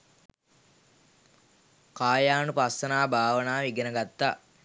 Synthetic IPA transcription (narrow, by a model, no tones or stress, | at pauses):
kaːjaːnupast̪ɐnaːbʱaːʋənaːʋiɡenəɡat̪ːa